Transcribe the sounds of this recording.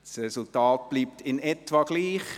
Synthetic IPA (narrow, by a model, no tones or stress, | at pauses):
srɛsʊltɑːt̚b̥liːp̚tʰɪnɛtʋɑɡ̥liːχ